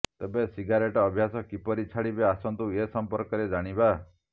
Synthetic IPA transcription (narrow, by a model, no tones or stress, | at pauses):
t̪ebesiɡaɾeʈɔːbʱjasɔkipɔɾit͡ʃʰaɽibeasɔnt̪uesɔmpɔɾkɔɾed͡ʒaɽ̃iba